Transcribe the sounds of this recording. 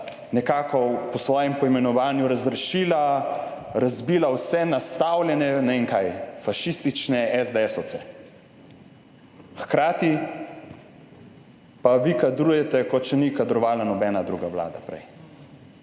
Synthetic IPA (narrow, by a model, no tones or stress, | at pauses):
nɛkaːkɔpɔsʋɔːjɛmpɔimɛnɔʋaːnjuɾazɾɛʃiːla | ɾazbiːlawsɛnast̪awlʲjɛnɛniŋkajfaʃist̪it͡ʃnɛɛzd̪ɛɛsɔt̪sɛ | xkɾaːt̪i | paʋikad̪ɾuːjɛt̪ɛkɔt̪̚t͡ʃɛnikad̪ɾɔʋaːlanɔbɛːnad̪ɾṵːɡaʋla̰ːd̪a̰pɾɛ̰j